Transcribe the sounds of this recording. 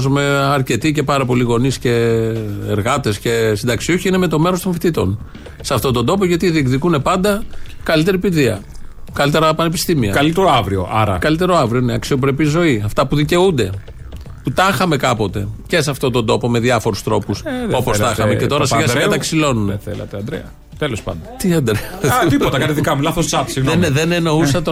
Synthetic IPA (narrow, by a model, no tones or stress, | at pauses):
zume̞ɐɾce̞t̪ice̞pɐɾɐpo̞liɣo̞nisce̞ː | ɾɣɐt̪e̞sce̞sind̪ɐksio̞çiine̞me̞t̪o̞me̞ɾo̞st̪o̞ɱfit̪it̪o̞̰n | seɐft̪ot̪o̞nd̪o̞p̬o̞ʝɐt̪iðiekðikune̞pɐnd̪ɐkɐlit̪e̞ɾipiðiɐ̰ | kɐlit̪e̞ɾɐpɐnepist̪imiɐ̰kɐlit̪eɾoɐvɾio̰ʔɐɾɐ̰kɐlit̪e̞ɾo̞ɐvɾioineɐksio̞pɾepizo̞iɐft̪ɐpuðice̞und̪e̞ | put̪ɐxɐme̞kɐpo̞t̪e̞̰ce̞sɐft̪o̞t̪od̪o̞po̞me̞ðjɐfo̞ɾust̪ɾo̞puseo̞post̪ɐxɐmece̞t̪o̞ɾɐsiɣɐsɣɐt̪ɐksilo̞nuneθḛlɐ̰t̪eɐnd̪ɾḛɐ | t̪elospɐ̰nd̪ɐt̪iɐnd̪ɾeɐt̪ipot̪ɐkɐt̪eðikɐmulɐθossɐt̪sienðe̞ne̞no̞usɐt̪o